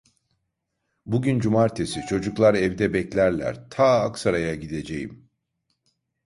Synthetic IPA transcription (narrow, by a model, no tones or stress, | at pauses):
buɟynd͡ʒumaɾt̪ʰesit͡ʃʰo̞d͡ʒuklˠaɾɛvd̪ɛbɛclʲæɾlʲæ̰ɾt̪ʰaːaksaɾajaɟid̪e̞d͡ʒe̞jim